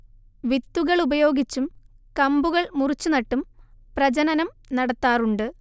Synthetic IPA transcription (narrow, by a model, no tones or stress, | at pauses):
ʋit̪ːuɣɐɭubɐjo̞ːɡit͡ɕːumkɐmbuɣɐɭmurit͡ɕːunɐʈːumprɐd͡ʑɐnɐnɐm | nɐɽɐt̪ːaːruɳɖɨ